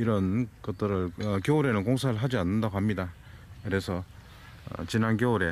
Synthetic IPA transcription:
iɾʌnkʌt͈ɯɾɯɭʌkjooɾe̞nɯnkoŋsʰaɾɯɭɦad͡ʑianːɯndaɡoɦamɲida | kɯɾe̞sʰʌ̰ | t͡ɕinankjooɾe̞

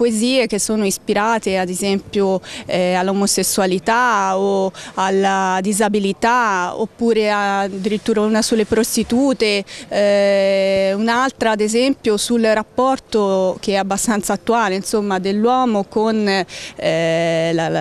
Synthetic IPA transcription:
poeziːek̟esːoːnoispiɾaːt̪ead̪ezɛmpjoɛalːomosesːualit̪aoalːad̪izabilit̪ao̰pːuːɾead̪ːiɾit̪ːuːɾaunasulːepɾost̪it̪uːt̪e | unalt̪ɾaːd̪ezɛmpjosulrapːɔrt̪ok̟eɛabːast̪ant̪saːt̪ːuaːleinsomːad̪elːwɔːmokon | la

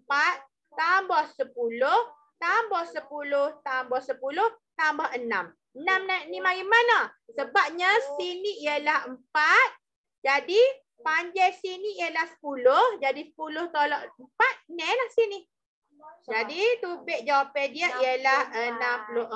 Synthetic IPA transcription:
əmpat̪̚ː | ambɔhsəpulʊh | t̪ambɔhsəpulʊht̪ambɔhsəpulʊht̪ambɔʔənã̰m | ənamnanimaɡimanasəbap̚ɲasiniijəlahəmpat̪̚ | d͡ʒadi | paɲd͡ʒɛjsiniijəlahsə̥pulʊhd͡ʒadisə̥pulʊht̪olɔʔəmpat̪̚nɛlahsini | d͡ʒadit̪ubɛʔ̚d͡ʒawapediəʔijəlahənamplo

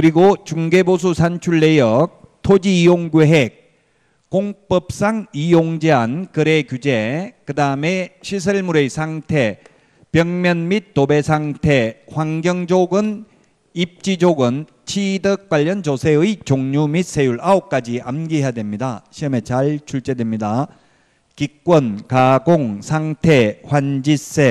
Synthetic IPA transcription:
kɯɾiɡot͡ɕuŋɡebos̬ʰusʰant͡ɕʰuɭːe̞jʌk̚tʰod͡ʑiijoŋɡeɦek̚ | koŋp͈ʌp̚s͈aŋijoŋd͡ʑeankɯɾekjud͡ʑekɯdaɯme̞ɕʰis̬ʰɯɭmuɾesʰaŋtʰe | pjʌŋmjʌnmit̚t͈ːobesʰaŋtʰeɸwaŋɡjʌŋd͡ʑoɡɯn | ip̚t͡ɕ͈id͡ʑoɡɯn | t͡ɕʰidɯk̚k͈aʎːʌnt͡ɕosʰeɯit͡ɕoŋɲumis͈e̞juɭaop̚k͈ad͡ʑiʔamɡiɦejadwe̞mɲidaɕʰiɯme̞t͡ɕaɭt͡ɕʰuɭt͡ɕ͈e̞dwemɲida | kik͈̚wʌnkaɡoŋsʰaŋtʰeɸwand͡ʑis͈e

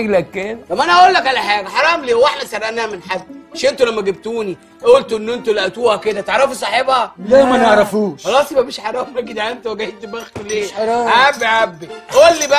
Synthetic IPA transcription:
eɡlækːeːɑmːæʔænæʔæʔuːlːækʔʕælæħaːɡæħɑɾˤɑːmleːwaħmæsærˤːʔænːæhæmenħad̪ːeʃʔent̪ulæmːæɡeb̚t̪uːni | ʔæʔolt̪oʔenːʔent̪ulæʔæt̪uːhæked̪æt̪eʕɾˤɑfisˤɑħebhɑlæmæneʕɾˤɑfuːʃxɑlɑːsˤimæmeʃħɑɾˤɑːmæɡid̪ʕænt̪weɡæjet̪mæxt̪uleːɾˤːʕabːiʕabːiʔæʔolːibæ

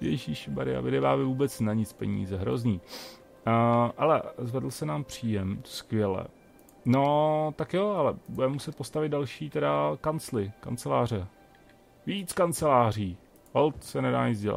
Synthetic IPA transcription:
ɛ̰jʃiːʃɪba̰ɾɪa̰vɪdɛvaːvɪvuːbɛt͡snaɲɪt͡spɛɲḭːzɛɦɾo̞̰zɲiː | ʔalɛ̰zvɛdl̩sɛnaːmpr̝̥iːjɛmskvʲjɛlɛ̰ | not̪akjoʔalɛbudɛmɛmusɛt̪̚po̞st̪avɪd̪dalʃiːt̪ɛdakant͡slɪka̰nt͡sɛlaːrɛ | viːt͡skant͡sɛlaːr̝iː | olt̪sɛnɛda̰ːɲɪzɟɛla̰t̪

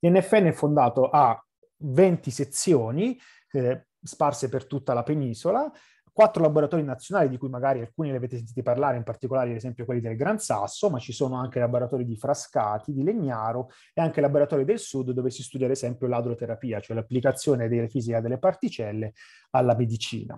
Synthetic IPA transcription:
lɛnːɛfːeɛnːɛfːond̪aːt̪oʔa | vɛnt̪iset̪sːjoːni | sparsepert̪ut̪ːalapeniːzola | kwat̪ːɾolaboɾat̪ɔːɾinat̪sːjonaːlid̪ikujmaɡaːɾialkuːniliaveːt̪es̬ent̪it̪eparlaːɾeimpart̪ikolaːɾeezɛmpjokwelːid̪elɡɾansa̰sːomat͡ʃːisoːnoaŋk̟elaboɾat̪ɔːɾid̪ifɾaskaːt̪id̪ileɲːaːɾo | eaŋk̟elaboɾat̪ɔːɾid̪elsud̪ːovesist̪uːd̪jad̪ezɛmpjolad̪ɾot̪eɾapiːat͡ʃoɛlapːlikat̪sːjoːned̪elːefiːzikad̪elːepart̪it͡ʃɛlːe | alːamed̪it͡ʃḭːna̰

